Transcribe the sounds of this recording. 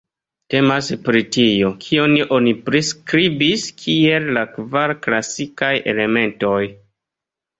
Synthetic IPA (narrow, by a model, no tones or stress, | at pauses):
te̞maspɾitio̞kʰio̞niʔo̞nipɾiskɾibiskʰie̞llakvaɾklasikajʔe̞̰le̞me̞nto̞j